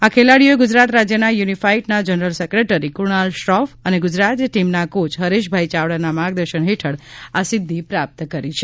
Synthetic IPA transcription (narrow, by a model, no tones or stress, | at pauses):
akʰelaɽijoeɡʊd͡ʒɾat̪ɾad͡ʒjənajunifaiʈnad͡ʒənəɾəlsəkɾeʈəɾikʊɳalʃɾɔfəneɡʊd͡ʒɾat̪jəʈimnakot͡ʃɦəɾeʃ̬bʱait͡ʃaʋɽanamaɡd̪əɾʃənɦeʈʰəɽasɪd̪ʱːipɾap̚t̪kəɾit͡ʃʰe